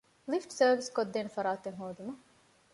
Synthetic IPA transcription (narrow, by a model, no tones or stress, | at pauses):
lifʈsɐːʋiskod̪ːeːnfɐɾaːt̪eŋɦoːd̪umɐ